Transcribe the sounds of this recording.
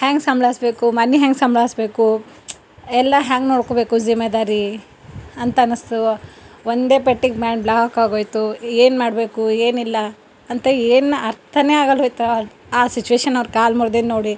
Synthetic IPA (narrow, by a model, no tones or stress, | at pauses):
haːŋɡsɐmbɭasbe̞ːkumɐniɦaːŋɡsɐmbɭasbe̞ːku | ɛlːɐɦaːŋɡnoːɽkobe̞ːkud͡ʒimed̪aːɾi | ɐnt̪ɐnɨst̪uʋond̪e̞ːpeʈːiɡbaːɳblaːɦɐkaːɡoːjt̪ueːnmaːɽbe̞ːkueːnilːɐ | ɐnt̪eeːnɐɾt̪ʰɐneaːɡɐlojt̪ɐ | aːsit͡ʃuʋeːʃɐnːɐʋɾkaːlmuɾd̪innoːɽi